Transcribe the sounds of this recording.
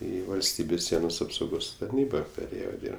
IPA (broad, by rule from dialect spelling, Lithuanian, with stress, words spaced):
ˈiː ʋɐlʲˈsʲtʲiːbʲeːs ˈsʲiɛnoːs ɐpsɐʊˈɡoːs tɐrʲˈnʲiːbɐ pʲɛˈrʲeːjoː ˈdʲiːrp